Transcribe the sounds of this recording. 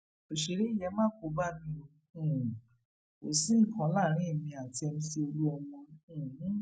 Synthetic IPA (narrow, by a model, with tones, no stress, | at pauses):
o˨ʃe˨ɾe˨˦i˦˨jɛ˧˦mãː˦ko˨˦ba˦˨nĩ˧˦õ˧˦˨ | o˨sĩ˦˨kã˨˦la˦˨ɾ̃ĩ˨˦i˦˨mĩ˧a˨ti˧ɛ˧mĩ˧si˧˦o˧lu˦ɔ˧w̃ɔ̃˧˦˨